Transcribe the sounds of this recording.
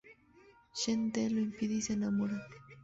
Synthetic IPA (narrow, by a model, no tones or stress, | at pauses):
ʃent̪eloimpiðisenamoɾa